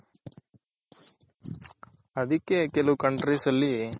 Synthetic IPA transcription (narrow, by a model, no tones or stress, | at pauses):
ɐd̪ikːekelukɐɳʈɾisɐlːi